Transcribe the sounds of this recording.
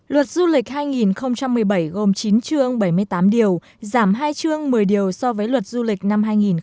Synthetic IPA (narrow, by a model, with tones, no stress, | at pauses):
lwə˨˩t̚zu˧lï˨˩k̟̚haː˧jŋi˨˩nxə˧wŋ͡mt͡ɕa˧mːɨ˨˩əjɓə˧˩jɣo˨˩mt͡ɕi˨˦nt͡ɕɨ˧əŋɓə˧˩jmɨ˧əjt̪aː˨˦mɗi˨˩əw | zaː˧˩mɦaː˧jt͡ɕɨ˧əŋmɨ˨˩əjɗi˨˩əwsɔ˧vəː˨˦jlwə˨˩t̚zu˧lï˨˩k̟̚na˧mɦaː˧jŋi˨˩n